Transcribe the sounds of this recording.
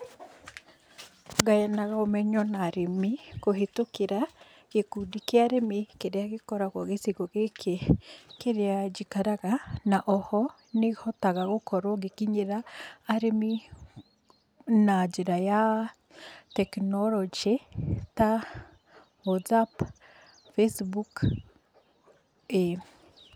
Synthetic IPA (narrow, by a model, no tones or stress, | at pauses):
ɡajɛnaɣaomɛɲɔnaɾemikoɦetokeɾa | kekudikeaɾemikeɾeaɣekɔɾaɣwɔɣesiɣoɣekʰekeɾead͡ʒikaɾaɣanaʔɔhɔ | nehɔtaɣaɣokɔɾɔɡekiɲeɾaːɾemi | nad͡ʒeɾaja | tɛknɔɾɔd͡ʒeta | wɔtsap | fesbuk | e